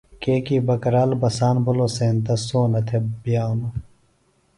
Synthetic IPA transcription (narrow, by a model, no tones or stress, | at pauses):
keːkiːbɐkɐɾaːlbɐsaːnbʱuloseːnt̪ɐsoːnɐt̪ʰebijaːno